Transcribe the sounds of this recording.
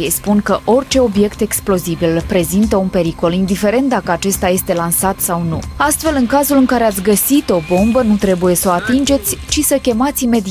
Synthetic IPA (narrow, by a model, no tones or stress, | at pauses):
ejspunkəʔo̞rt͡ʃe̞o̞bje̞kt̪e̞ksplo̞zibilpɾe̞zint̪əunpe̞ɾiko̞lind̪ife̞ɾe̞nt̪d̪akəat͡ʃe̞st̪aje̞st̪e̞lansat̪sawnṵast̪fe̞lɨŋkazulɨŋkaɾe̞at̪sʲɡəsit̪o̞bo̞mbənut̪ɾe̞buje̞səat̪ind͡ʒe̞t̪sʲt͡ʃisəkʲe̞mat̪ʲime̞d̪i